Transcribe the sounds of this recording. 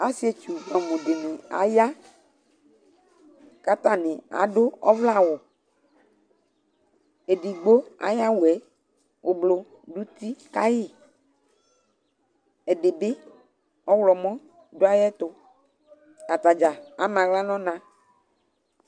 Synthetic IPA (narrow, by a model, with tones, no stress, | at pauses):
a˦si˨˦e˨t͡ʃu˨nɔ̃˨mũ˨ɖe˨nẽ˨a̰˨ja˦ | ka˦t̪a˦nɪ̃˨a̰˨ɖo˦ɔ˦vla˦˨wʊ˨ | e˨ɖi˨ɡ͡bo˦a̰˦ja˦wu˨ɛ˨˦ | wʔo˨blo˨ | ɖu˦t̪i˦ka˦jɪ˦˨ | e˨ɖe˨be˦ | ɔ˦wlɔ˨mɔ̃˦ | do˦a˦jɛ˦t̪ʊ˦ | a˨t̪a˨d͡ʒa˨a˦mã˨ɣla˦nɔ̃˦nã˦